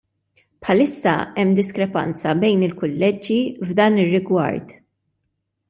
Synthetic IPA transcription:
pħɐlɪsːɐ̰ɛmːd̪ɪskɾɛpɐ̰nt͡sɐbɛjnɪlkʊlːɛd͡ʒːivd̪ɐːnɪrːɪɡwɐ̰ɾt̪

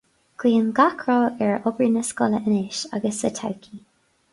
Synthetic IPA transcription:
kʰwiːəmɡakʰɹoːɛɹɔbɹinəskɔləʔənɪʃa̰ɡəsətʰa̰wkʰi

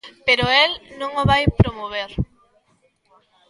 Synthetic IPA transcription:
peɾʊelnõŋoβajpɾomoβeɾ

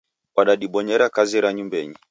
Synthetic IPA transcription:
waɗaɗiɓɔɲɛɾakaziɾaɲumbɛɲi

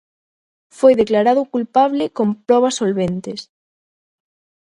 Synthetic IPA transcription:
fojðeklaɾaðʊkulpaβlɪkompɾɔβ̞ɐsolβent̪ɪs

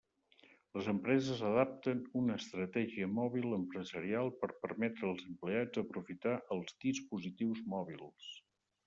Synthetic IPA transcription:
ləzəmpɾɛzəzəðap̚t̪ənunəːst̪ɾət̪ɛʒiəmɔβilˠəmpɾəzəɾialˠpəɾpərmɛt̪ɾəːlˠzəmplead͡zəpɾufit̪aʔəlˠzd̪ispuzit̪iwzmɔβilˠs

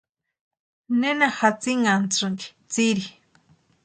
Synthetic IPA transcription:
nenaxat͡siŋant͡suŋɡi̥t͡siɾi

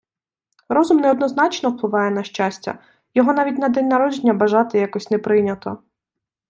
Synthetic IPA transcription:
ɾɔzʊmnɛɔd̪nɔzn̪ɑt͡ʃnɔwplˠɪʋɑjɛnɐʃt͡ʃasʲtʲːɐ̰ | jɔɦɔnɑʋʲitʲnɐd̪ɛnʲnɐɾɔd͡ʒenʲːɐbɐʒɑt̪ɪjakɔsʲnɛpɾɪnʲɐt̪ɔ

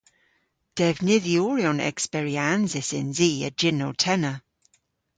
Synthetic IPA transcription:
d̥ɛvnɪðjuːɹiɔnɛ̰kspɛɹianzɪsɪ̰nziːə̰d͡ʒɪnowtʰɛnə

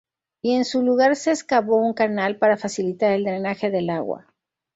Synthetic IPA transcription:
ie̞nsuluɣaɾse̞ːskaβo̞uŋkanalpaɾafasilit̪aɾe̞ld̪ɾe̞naxe̞ðe̞laɣwa̰

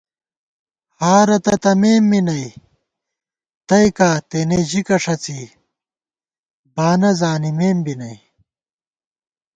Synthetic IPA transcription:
haːɾɐt̪ɐt̪ɐmeːmːinɐj | t̪ɐjkaːt̪eneʑikɐʂɐt͡siː | baːnɐzaːnimeːmbinɐj

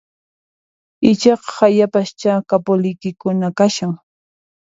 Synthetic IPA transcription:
ɪt͡ʃɑqɑ̥hajapast͡ʃakapʊlɪjkɪkʊnakaʃaŋ

